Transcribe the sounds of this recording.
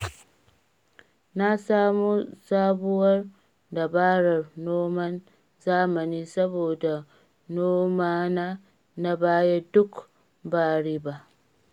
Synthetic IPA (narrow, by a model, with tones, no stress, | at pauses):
na˦saː˦mo˦saː˦bʊ˦wɐ˦r | da˨baː˦ɾɐ˨rnoː˦mɐ˦n | zaː˦mɐ˨niː˦sɐ˦boː˨da˨ | noː˦maː˦na˦ | na˦baː˦je˦dʊ˦k | baː˦ɽi˦ba˨